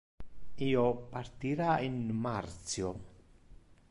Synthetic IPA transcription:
iopaɾt̪iɾainmaɾt̪sjo

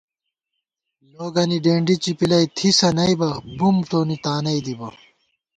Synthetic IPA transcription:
loːɡɐniɖeːɳɖit͡ɕipilɐjt̪ʰisɐnɐjbɐbumʈoːnit̪aːnɐid̪ibɐ

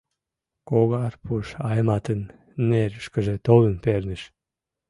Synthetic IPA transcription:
koɣɑrpuʃɑjmɑt̪ənː | eɾʃkəʒĕt̪olənpernəʃ

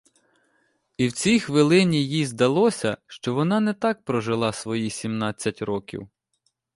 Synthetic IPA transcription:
iwt͡sʲijxʋɪlˠɪnʲijizd̪ɐlˠɔsʲɐʃt͡ʃɔʋɔnɑnɛt̪ɑk̚pɾɔʒɪlˠɑsʋɔjisʲimnɑt͡sʲːɐtʲɾɔkʲḭw

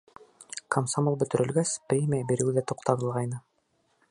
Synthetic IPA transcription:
komsamolˠbɵ̆t̪ɵ̆ɾɘ̆lɡæsprʲemʲijabiɾɘ̆wðæt̪uqt̪ɑɾɤ̆lˠʁɑjnɤ

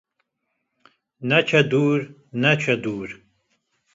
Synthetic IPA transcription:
nat͡ʃʰad̪uːɾ | nat͡ʃʷʰad̪uːɾ

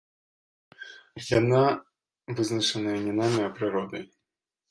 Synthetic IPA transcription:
jana | vɨznɐʂɨnɐɐnʲinamʲiɐpɾɨɾɔd̪ɐj

